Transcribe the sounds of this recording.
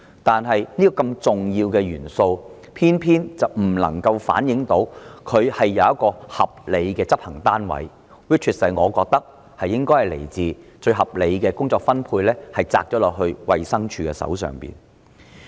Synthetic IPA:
t̪aː˨nɦɐ˨jniː˥kɔː˧kɐ˧mt͡sʊ˨ŋjiː˧wkɛː˧jyː˨˩nso˧w | pʰiː˥npʰiː˥nt͡sɐ˨wm̩˨˩lɐ̰˨˩ŋkɐ˧wfa̰ː˨˥njɪ˨˥ŋt̪o˨˥wkʰɵ˨˧ɥhɐ˨jːɐ˨˧wɐ˥t̚kːɔː˧hɐ˨p̚le˨˧jkɛː˧t͡sɐ˥p̚hɐ˨˩ŋt̪aː˥nwɐ̰˨˥j | wi˥t̚t͡ʃʰi˨˩t̚sɐ˨˧jŋɔː˨˧kɔː˧k̚t̪ɐ˥k̚ | hɐ˨jːɪ˥ŋkɔː˥jhɐ˨jlḛ˨˩jt͡siː˨t͡ʃɵ˧ɥɦɐ˨p̚le˨˧jkɛː˧kʊ˥ŋt͡sɔː˧kfɐ˥npʰuː˧jlɛː˥hɐ˨˩jt͡sa̰ː˧k̚t͡ʃɔː˨˥lɔː˨k̚ɦɵ˧ɥwɐ̰˨jsɐ˥ŋt͡ʃʰyː˧kɛː˧sɐ̰˨˥wsœ̰ː˨ŋpḭː˨˩n

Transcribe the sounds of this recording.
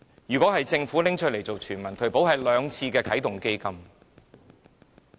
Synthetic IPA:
jyː˨kʷɔː˨˥ɦɐ˨jt͡sɪ˧ŋfuː˨˥lɪ˥ŋt͡ʃʰt̚le˨˩jt͡so˨wt͡ʃʰyː˨˩nmɐ˨˩nt̪ʰɵ˨˩ɥpo˨˥whɐ˨jlœː˨˧ŋt͡sʰiː˧kɛː˧kʰɐ˨˥jt̪ʊ˨˩ŋke˥jkɐ˥m

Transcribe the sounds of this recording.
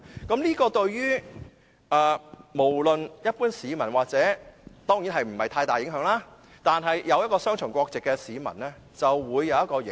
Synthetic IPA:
kɐ˨˥mliː˥kɔː˧t̪ɵ˧ɥɥyː˥ | ʔɛː˨˧mo˨˩wlɵ˨njɐ˥t̚puː˥nsiː˨˧mɐ˨˩nwaː˨k̚t͡sɛː˨˥t̪ɔː˥ŋjiː˨˥nɦɐ˨jm̩˨˩hɐ˨jt̪ʰaː˧t̪aː˨jɪ˨˥ŋɦœː˨˥ŋlaː˥ | t̪aː˨nɦɐ˨jjɐ˨˧wjɐ˥tkɔː˧sœː˥ŋt͡ʃʰɵ˨˩ŋkʷɔː˧k̚t͡sɪ˨kːɛ˧siː˨˧mɐ̰˨˩nlɛː˥ | t͡sɐ˨wːuː˨˧jːɐ˨˧wjɐ˥t̚kɔː˧j

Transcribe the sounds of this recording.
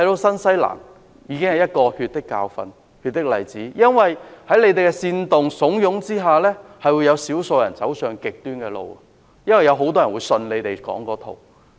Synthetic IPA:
hɐ˨jt̪o˧wsɐ˥nsɐ˥jla̰ː˨˩ŋ | jiː˨˧kɪ˥ŋhɐ˨˩jɐ˥t̚kɔː˧hyː˧t̚t̪ɪ˥kːa̰ː˧wfɐ̰˧n | hyː˧t̚t̪ːɪ˥k̚lɐ˨˩jt͡siː˨˥jɐ˥nwɐ˨jhɐ˨˥jle˨˧jt̪e˨jkɛ˧siː˧nt̪ʊ˨ŋsʊ˨˥ŋjʊ˨˥ŋt͡siː˥ɦaː˨lɛː˥hɐ˨jwuː˨˧jɐ˨˧wsiː˨˥wso˧wjɐ˨˩nt͡sɐ˨˥wsœː˨˧ŋkɪ˨k̚t̪yː˥nkɛː˧lo̰˨wɐ̰˧ | jɐ˥nwɐ˨˩jɐ˨˧wɦo˨˥wt̪ɔː˥jɐ˨˩nwuː˨˧jsɵ˧nle˨˧t̪e˨jkɔ̰ː˨˥ŋkɔː˨˥t̪ʰo˨˩w

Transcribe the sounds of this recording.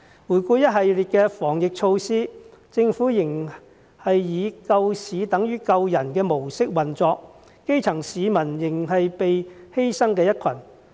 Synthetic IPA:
wuː˨˩jkuː˧jɐ˥t̚ɦɐ˨jliː˨t̚kɛː˧fɔː˨˩ŋjɪ˨k̚t͡ʃʰo˧wsiː˥t͡sɪ˧ŋfuː˨˥jɪ˨˩ŋ | hɐ˨jjiː˨˧kɐ˧wsiː˨˧t̪ɐ˨˥ŋjyː˨˥kɐ˧wjɐ˨˩nkɛː˧mo˨˩wsɪ˥k̚wɐ˨˩nt͡sɔː˧k̚ | ke˥jt͡sʰɐ˨˩ŋsiː˨˧mɐ˨˩njɪ˨˩ŋɦɐ˨jpe˨jhe˥jsɐ˥ŋkɛː˧jɐ˥t̚kʰɐ˨˩n

